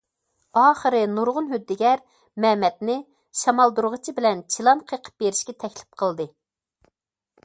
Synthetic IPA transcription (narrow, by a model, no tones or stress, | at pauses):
ɑːχəɾɨnuɾʁʊnɦød̪ːɪɡʲɛɾ | mɛmɛt̪nɪ | ʃɑmɑlˠd̪uɾʁət͡ʃʰibɪlɛnt͡ʃʰilˠɑnqʰəqʰə̥p̚beɾɪʃkʲɛt̪ʰɛkʲlɪ̥p̚qʰəlˠd̪ɨ